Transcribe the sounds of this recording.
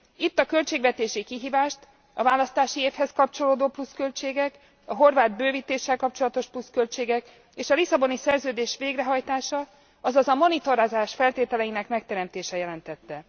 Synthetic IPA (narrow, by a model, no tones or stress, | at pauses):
it̪ːɒkø̞lt͡ʃeːɡvɛt̪eːʃikiɦiːvaːʃt̪ | ɒvaːlɒst̪aːʃieːfhɛskɒpt͡ʃo̞loːd̪oːpluskø̞lt͡ʃeːɡɛk | ɒɦo̞rvaːd̪̚bøːviːt̪eːʃːɛlkɒpt͡ʃo̞lɒt̪o̞ʃpluskø̞lt͡ʃeːɡɛk | eːʃɒlisɒbo̞nisɛrzøːd̪eːʃʋeːɡrɛɦɒjt̪aːʃɒ | ɒzɒzɒmo̞nit̪o̞ɾaːzaːʃfɛlt̪eːt̪ɛlɛjinɛkmɛk̚t̪ɛɾɛmt̪eːʃɛjɛlɛnt̪ɛt̪ːɛ